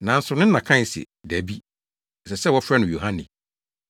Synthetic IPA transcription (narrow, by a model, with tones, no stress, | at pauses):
nã˨n̩˦sʊ˨nɪ̃˦n̩˦nã˨kʰã˦˨sḭ˨dæ˨bi˦˨ | sɛ˨sɛ˦wɔ˦fɾɛ˦nʊ̃˨jo˨ɦã˦nɪ̰̃˨